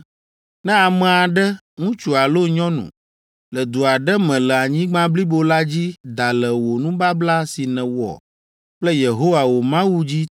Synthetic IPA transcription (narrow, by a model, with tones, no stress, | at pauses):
nɛ̃˦a˨mɛ̃˨a˨ɖɛ˦ | ŋũ˦t͡ʃu˨a˨lo˦ɲɔ̃˦nṵ̃˨ | lə˨d̪u˨a˨ɖɛ˦mɛ̃˨lɛ˨a˨ɲĩ˦ɡ͡bã˦bli˦bo˨la˦d͡ʑi˦d̪a˨lɛ˨wo˨nũ˦ba˦bla˦si˨nɛ̃˨wɔ̰˨ | k͡plɛ˦je˨ɦo˦wa˨wo˨mã˦wu˦d͡ʑi˦